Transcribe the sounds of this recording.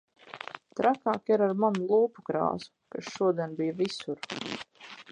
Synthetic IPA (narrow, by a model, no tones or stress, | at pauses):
t̪ɾakaːkiɾaɾmanulˠuːpukɾa̰ːzu̥kaʃʃuɔd̪iɛnbijvisuɾ